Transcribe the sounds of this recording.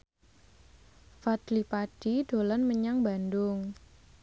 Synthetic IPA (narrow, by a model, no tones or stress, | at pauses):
fad̪lipaɖ̥iɖ̥olanməɲaŋbandʊŋ